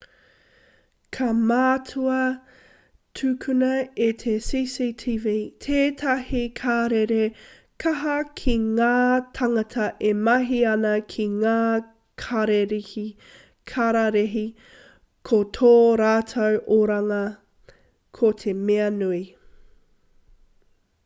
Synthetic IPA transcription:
kʰɐmaːtʰuɐ | tʰʉkʰʉnɐetʰesisitʰiviːtʰeːtʰɐhikʰaːɾeɾe | kʰɐɦɐkʰiŋaːtʰɐŋɐtʰɐʔemɐɦiɐnɐkʰiŋaː | kʰaɾeɾihi | kʰaɾaɾeɦi | kʰotʰoːɾaːtʰowʔoɾɐŋɐ | kʰotʰemeɐnui

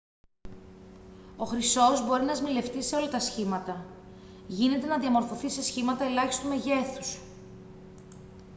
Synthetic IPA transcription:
o̞xɾiso̞zbo̞ɾinɐzmile̞ft̪ise̞o̞lɐt̪ɐsçimɐt̪ɐ | ʝine̞t̪e̞nɐðiɐmo̞ɾfo̞θise̞sçimɐt̪ɐe̞lɐçist̪ume̞ʝe̞θu̥s

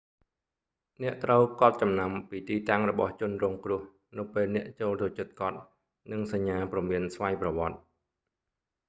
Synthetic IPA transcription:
nɛ̆əʔt̪rəwkɑ̆t̪̚t͡ɕɑmnampiːt̪iːt̪aŋrɔɓɑht͡ɕʊ̆ənrɔːŋkrʊ̆əh | nɨwpeːlnɛ̆əʔt͡ɕoːlt̪ot͡ɕɨt̪̚kɑt̪̚ | nɨŋsaɲːaːprɑmiənsʋajprɑʋŏət̪̚

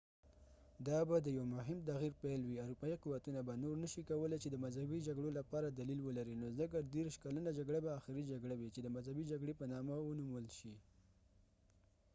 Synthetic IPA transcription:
d̪ɑbad̪əjawmʊɦɪmt̪̬aɣiɾpalwiaɾupɑiquwat̪unabanoɾnəʃikawəlet͡ʃed̪əmazhabid͡ʒaɡɽolapɑɾad̪alilwəlaɾinozək̬ad̪eɾʃkalənad͡ʒaɡɽabaːxɪɾid͡ʒaɡɽawit͡ʃed̪əmazhabid͡ʒaɡɽepənɑmawənuməlʃi

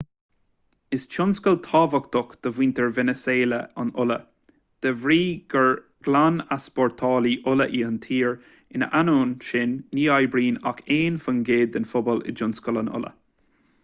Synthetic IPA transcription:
ɪst͡ʃʰʊnskəlt̪ʰɑːvəkt̪ʊkd̪̥əvwiːnt̪əɹvɛnəseːləa̰nʊlə | d̪̥əvɾiːɡəɹ | ɡ̥lanaspɔɹt̪ʰɔːliʔʊləʔiːənt̪ʰiːɹ | ɪnəʔanoːnʃɪnːiːajbɾiːnakʰeːnfənɡeːd̪ɪnfʊbɔlɪ̰d͡ʒʊnskələnʊ̰lə̰

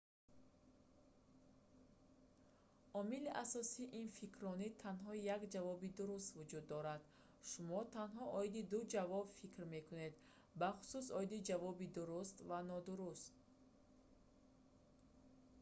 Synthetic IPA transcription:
ʔɔmiliʔasɔsiːʔinfikʰɾɔnit̪ʰanɦɔjakd͡ʒavɔbid̪uɾust̪vud͡ʒud̪ːɔɾad̪̥ | ʃumɔt̪ʰanɦɔʔɔid̪id̪ud͡ʒavɔbfikɾme̞kʰune̞d̪ | baχu̥susɔid̪id͡ʒavɔbid̪uɾust̪vanɔd̪uɾust̪

